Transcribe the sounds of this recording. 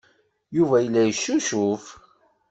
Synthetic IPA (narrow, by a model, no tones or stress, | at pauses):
juvæjəlːæjəʃːuʃuf